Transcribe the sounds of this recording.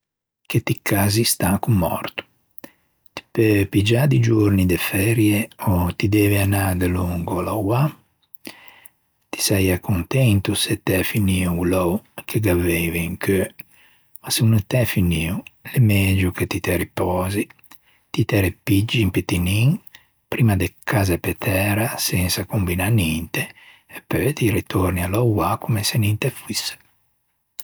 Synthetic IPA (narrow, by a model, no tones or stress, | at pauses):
ket̪ikʰːazist̪akumːɔ̰ɾt̪u̥ | t̪i̥pepid͡ʒad̪id͡ʒuɾnid̪efɛɾjeot̪id̪ɛːveanad̪eluŋɡolawa | t̪i̥sɛjakunt̪ɛnt̪uset̪ːɛfiniuulowkʰeɡavɛviŋkʰø | masunt̪ɛfiniːulemed͡ʒuket̪it̪ɛɾipɔːzi | t̪it̪ɛɾepid͡ʒːimpet̪iniŋ | pɾiːmad̪ekʰaːzapet̪ʰɛːɾasɛnsakumbinanint̪eː | pːøjt̪iɾit̪oɾnialɔwwakumesenint̪efuis